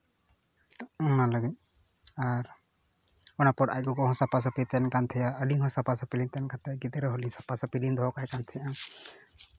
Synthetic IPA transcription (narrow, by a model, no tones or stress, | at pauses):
naləɡiɲ | aɾ | ɔnapɔʈa̰jɡɔkɔɦɔ̃sapas̬ɔpit̪ɛnkant̪ʰɛjaəliŋɦɔ̃sapasɔpilint̪ɛnkant̪ʰɛjaɡid̪iɾɔɦɔlisapasɔpilind̪ʱɔkaɦɛkant̪ʰɛjã